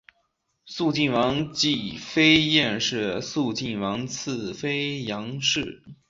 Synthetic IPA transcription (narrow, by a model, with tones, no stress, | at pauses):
su˥˧t͡ɕi˥˩nwɑ˧˥ŋt͡ɕi˥˩fe˥ɪjɛ˥˧nʂɻ̩˥˧su˥˧t͡ɕi˥˩nwɑ˧˥ŋt͡s̩ʰ˥˩fe˥ɪjɑ˧˥ŋʂɻ̩˥˩